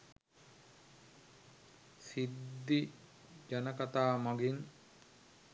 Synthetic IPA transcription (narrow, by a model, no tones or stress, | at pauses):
sid̪ːi | d͡ʒanəkat̪aːmaɡin